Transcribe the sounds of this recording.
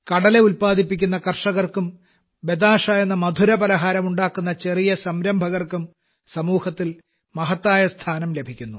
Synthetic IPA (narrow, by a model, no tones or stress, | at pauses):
kɐɽɐle̞ulpaːd̪ʱipːikʲːunːɐkɐrʂɐɣɐrkum | be̞d̪aːʂaːjenːɐmɐd̪ʱuɾɐbɐlɐɦaːɾɐmuɳɖaːkːunːɐt͡ɕe̞rijɐsɐmɾɐmbʱɐɣɐrkum | sɐmuːhɐt̪ːil | mɐɦɐt̪ːaːjɐst̪ʰaːnɐmle̞bʱikʲːunːu